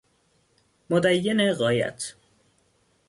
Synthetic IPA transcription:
mod̪æjːeneɣɒːjæ̰t̪ʰ

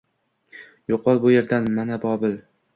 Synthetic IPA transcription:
joqʰɒlˠbʊje̞ɾd̪anmanabɒbɪl

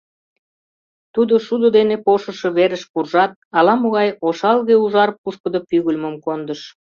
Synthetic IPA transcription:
t̪ud̪oʃud̪od̪enepoʃə̆ʃĕβeɾəʃpurʒɑt̪̚ɑlɑmoɣɑjoʃɑlɣeuʒɑɾpːuʃkəd̪əpyɣulʲməmkond̪əʃ

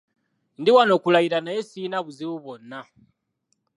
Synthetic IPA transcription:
ndiwano̞ːkulajiɾanajesinaβuziβuβo̞nːa

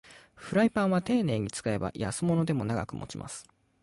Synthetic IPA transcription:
ɸɯ̟ɾaipãɰ̃βat̪e̞ːne̞ːɲ̟it͡sɨ̥kae̞ba̰jasɨmo̞no̞d̪e̞mo̞naɡakɯ̟mʔo̞̰t͡ɕimʔa̰sɨ̥

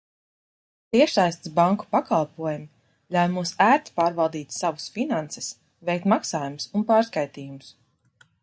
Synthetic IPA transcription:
t̪iɛʃsajst̪sbaŋku̥pakalˠpuɔjumi | lʲawjmusæːɾt̪i̥paːɾvalˠd̪iːt̪savusfinant̪sɛ̥s | vɛjk̚t̪maksaːjumsunpaːɾskajt̪iːjumus

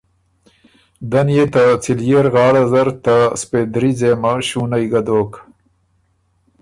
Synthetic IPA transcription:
d̪anjet̪at͡siljeɾɣɑːɽazaɾt̪asped̪ɾizemaʃunajɡad̪oːk

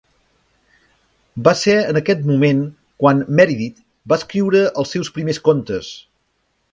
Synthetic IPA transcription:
basɛənəkɛt̪mumen | kwanmɛɾiðit̪ | baəskɾiwɾəʔəlˠsːɛwspɾimeskont̪əs

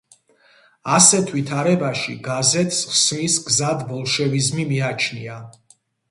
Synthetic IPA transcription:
asɛt̪ʰvit̪ʰaɾɛbaʃiɡazɛt̪ʰsχsmisɡzad̪bɔlˠʃɛvizmimiat͡ʃʰnia

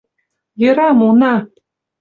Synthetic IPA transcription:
jɤ̆ɾɑmunɑ

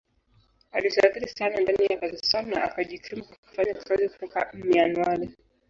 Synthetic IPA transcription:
aliʃaːθiɾisanandanijakazisannaakaʄikɾimukwaku̥faɲaki̥kaziku̥tɔka̰mɛanwaɾi

